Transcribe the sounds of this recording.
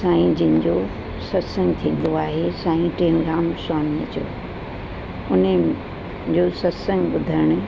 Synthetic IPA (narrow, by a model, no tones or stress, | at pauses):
saːĩd͡ʑɪ̃ɦɪ̃ɲd͡ʑo | sɐt̪sə̃ŋɡt̪ʰĩːn̆d̪oaːɦesãːĩʈẽːnɾaːmsaːnmḛ̃t͡ɕo̰ː | ʊne | d͡ʑoːsɐtsə̃ŋɡɓʊd̪ʱəɪɽ̃ʊ̆